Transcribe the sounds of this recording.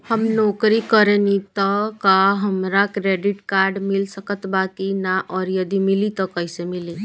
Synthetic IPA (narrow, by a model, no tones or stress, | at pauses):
həmnɔkɾikəɾenit̪ɔkaɦəmɾakɾeɖiʈkaɾɖmilsəkət̪bakinaʔɔɾjəd̪imilit̪ɔkəisemili